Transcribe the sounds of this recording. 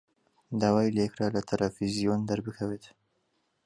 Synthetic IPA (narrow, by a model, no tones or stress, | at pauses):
d̪aːwaːjlajekɾalat̪ʰalʔafizijond̪aɾbɨkʰɐwet̪